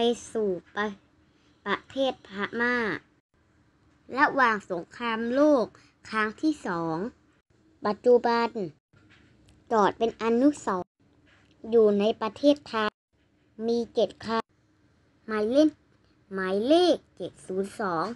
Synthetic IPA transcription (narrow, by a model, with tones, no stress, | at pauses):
pa˧jsuː˨˩pa˧ | pa˧t̪ʰeː˥˩t̪̚pʰaː˧maː˧˥˩ | la˧waː˨˩ŋso˨˦ŋkʰaː˧mloː˥˩k̚ʰː | aː˧˥˩ŋt̪ʰiː˥˨sɔː˩˦ŋ | ba˨˩t̪̚t͡ɕu˧ba˧n | t͡ɕɔː˨˩t̪̚pe˧nʔa˧nu˧˥˨sɔː˨˦ŋ | juː˨˩na˧˥jpa˧t̪ʰeː˥˩t̪ʰːa˧j | miː˧t͡ɕe˨˩t̪̚kʰa˧˥ | maː˨˦jle˧˥˩n | maː˨˦jleː˥˩k̚t͡ɕe˨˩t̪̚suː˨˦nsɔː˩˦ŋ